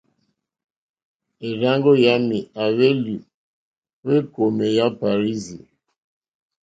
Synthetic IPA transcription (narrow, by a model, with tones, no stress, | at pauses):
e˨ɾa˦ŋɡo˦ja˦mi˨a˨βe˦lu˨ | we˦ko˨me˨ja˦pa˨ɾi˦zi˨